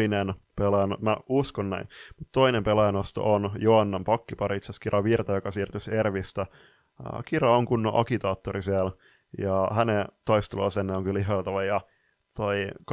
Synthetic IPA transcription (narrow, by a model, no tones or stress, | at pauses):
inenpelɑjɑnomæuskonnæinmut̪t̪oinempelɑjɑnost̪o̰ʔonjoɑnːɑmpɑkːipɑɾit̪seskirʔɑʋirt̪ɑjokɑsiːrt̪yserʋist̪æ | kirɑoŋkunːo̰ʔɑkit̪ɑːt̪ːorisiæl | jɑhænet̪oist̪olo̰ˑsenːeoŋkyliɦolt̪ɑʋɑjɑ | t̪oik